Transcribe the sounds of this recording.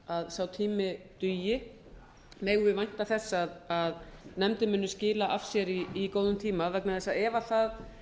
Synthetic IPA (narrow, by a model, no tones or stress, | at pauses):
aðsawt̪ʰiːmɪt̪ʏjɪ | meːjɣvɪvajn̥t̪aθɛsːaðaðnɛmt̪ɪmʏnːʏscɪːlaʔafsjɛɾiːkoːwðʏmt̪ʰiːmavɛknaθɛsaðɛːvaθað